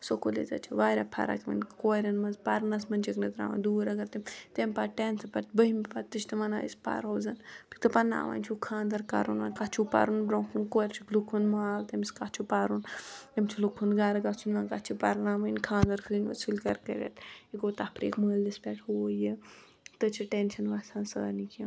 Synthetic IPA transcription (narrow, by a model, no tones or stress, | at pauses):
sokolḛzɐ̰t͡ʃʰiʋaːɾʲapʰɐ̰ɾa̰kmɐ̰nkoːɾʲɐnmɐzpaɾnɐsmɐnʲt͡ʃʰiknɐt̪ɾa̰ːʋɐ̰nd̪uːɾɐɡɐɾt̪imt̪emʲpaʈeːnsɐpɐɾt̪̚bəɦimpat̪iʃt̪imɐnaːḭspa̰ɾɦoːzɐnpʲi̥k̚t̪ɐpɐna̰ːʋa̰ːnt͡ʃʰukʰãːnd̪ɐɾka̰ɾunʋɐnkat͡ʃʰupa̰ɾunbɾoːkʰunkoːɾt͡ʃʰiklukʰunmaːlt̪ɐmiskat͡ʃʰupaːɾunt̪ɐmt͡ʃʰilukʰunɡaɾɐɡat͡sʰunʋɐnkat͡ʃʰipaɾnaːmɐinʲkʰãːnd̪ɐɾkʰɨɾinʲʋɐ̰t͡sʰulʲkɐɾkɐɾʲḛt̪ikoːt̪apɾḭːkməːldispʲɛːʈʰhuoje | t̪ɨt͡ʃʰiʈenʃɐnʋaːsaːnsɐa̰nikʰʲim